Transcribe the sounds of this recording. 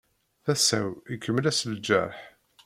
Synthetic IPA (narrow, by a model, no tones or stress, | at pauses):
θæsæwikʰːəmːəlæsld͡ʒæ̰ɾˤħ